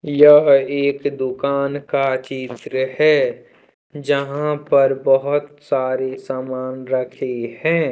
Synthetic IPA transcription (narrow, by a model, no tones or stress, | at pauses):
jɐɦeːkd̪ʊkaːnkat͡ʃiːt̪ɾəhɛː | d͡ʒəɦãpɐɾbəɦʊt̪saːɾesaːmaːnɾəkʰehɛ̃ː